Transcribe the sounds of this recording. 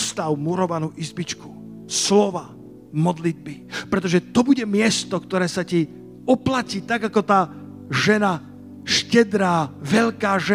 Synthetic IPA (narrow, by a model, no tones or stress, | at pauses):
st̪awmuɾɔʋanuːʔizbit͡ʃku̥ | slɔʋa | mɔd̪lid̪̚bipɾɛt̪ɔʒɛt̪ɔbuɟɛmɪɛst̪ɔkt̪ɔɾɛːsaci | ɔplaciːt̪aɡakɔt̪aː | ʒɛna | ʃcɛd̪ɾaːʋɛʎkaːʒɛ